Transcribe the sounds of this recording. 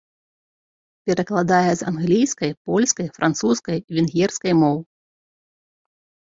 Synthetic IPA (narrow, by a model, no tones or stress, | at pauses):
pʲɛɾɐklˠad̪ajɛza̰nɣlʲijskɐjpɔlʲskɐjfɾʔant̪suskɐjvʲinɣʲɛrskɐjmɔw